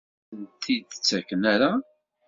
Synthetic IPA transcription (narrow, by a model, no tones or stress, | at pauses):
nt̪ʰid̪t͡sːækːənæɾa